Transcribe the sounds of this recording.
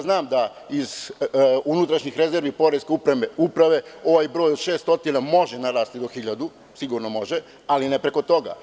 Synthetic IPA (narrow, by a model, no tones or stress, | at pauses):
znaːmd̪a | iz | unut̪ɾaʃɲixɾe̞ze̞ɾʋipo̞ɾeskeupɾe̞me̞upɾaʋe̞o̞ʋaːjbɾo̞ːjod̪ʃeːst̪o̞t̪inamo̞ʒenaɾaːst̪id̪o̞xiʎad̪u | siɡuɾnomo̞ʒe | alinepɾe̞ko̞t̪o̞ɡa̰